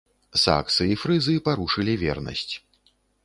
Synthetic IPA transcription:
sa̰k̪sɨifɾɨzɨpaɾuʂɨlʲivʲɛ̰rnɐ̰sʲt͡sʲ

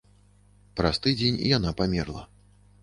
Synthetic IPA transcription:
pɾast̪ɨd͡zʲenʲḭjanapamʲɛrlˠɐ

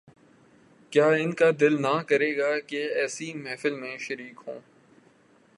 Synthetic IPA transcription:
kjaːɪnkad̪ɪlnakɐɾeːɡaːkeɛːsimɛːfɪlmẽʃɐɾiːkɦõː

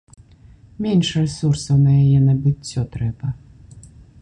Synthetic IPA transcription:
mʲenʂrɛsursɐwnɐjajɛnɐbɨt͡sʲːɔt̪ɾɛbɐ

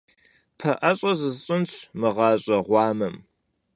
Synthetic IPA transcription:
pʰɐʔɐɕʼɐzɨzɕʼɪnɕʷʰmɨʁɑːɕʼɐʁʷɑːmɐm

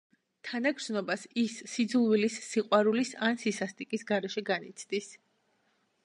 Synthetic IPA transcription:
t̪ʰanaɡɾznɔbasisːid̪zulˠvilisːiqʼwaɾulisansisast̪ʼikʼisɡaɾɛʃɛɡanit̪sʰd̪is

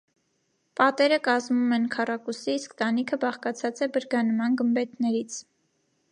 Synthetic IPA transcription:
pɑt̪ɛɾəkɑzmumɛnkʰɑrɑkusiːskt̪ɑnikʰəbɑχkɑt͡sʰɑt͡sɛbəɾɡɑnmɑnɡəmbɛt̪nɛɾit͡sʰ

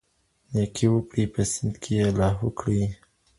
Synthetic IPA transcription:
nekʰiwəkɽipəsɪnd̪kʰejelɑɦəkɽi

